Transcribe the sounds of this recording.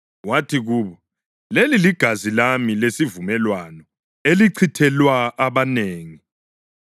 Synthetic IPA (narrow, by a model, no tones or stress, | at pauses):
watʰiɣuːβɔ | leliliɡ̥ʱazilamilesivumɛlwanɔ | eliǀʰitʰɛlwaʔaβaneːŋi